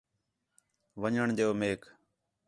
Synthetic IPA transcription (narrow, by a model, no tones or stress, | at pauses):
ʋəɲəɳd͡ʒeːoːmeːk